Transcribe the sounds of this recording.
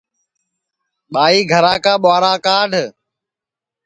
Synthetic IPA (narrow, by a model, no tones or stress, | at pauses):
ɓaːiːɡʱəɾãːkaːɓaːɾãːkaːɖʱ